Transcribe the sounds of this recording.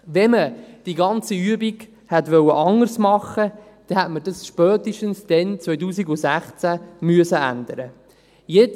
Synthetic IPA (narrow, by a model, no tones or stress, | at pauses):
ʋɛməd̥iɡɑnt͡siyəbiɡ | hɛtʋœwəʔɑŋːərsmɑχə | d̥ɛhɛtməd̥ɑsʃpœːt̪iʃtənsd̥ɛnt͡sʋœjtuːsiɡʊsæχt͡sæmyəsəæ̰nd̪əɾə | jet͡s